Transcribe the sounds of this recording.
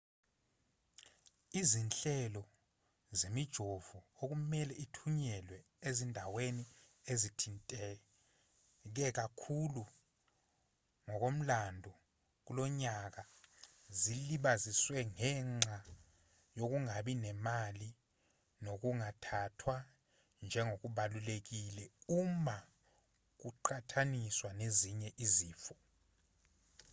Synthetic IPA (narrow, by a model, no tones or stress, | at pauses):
izinɬɛlɔ | zemid̥ʒ̥ʱovuok̬umɛlɛʔitʰuɲɛlwɛ | ezindʱaweni | ezitʰintʼɛ | k̬ɛk̬akʰulu | ŋɔk̬om̩landʱɔ | k̬ulɔɲak̬a | ziliɓaziswɛŋɛŋ͡ǁʱa | jok̬uŋaɓinɛmali | nok̬uŋatʰatʰwa | nd͡ʒʱɛŋok̬uɓalulek̬ilɛuma | k̬uǃʰatʰaniswaneziɲɛʔiziːfɔ̥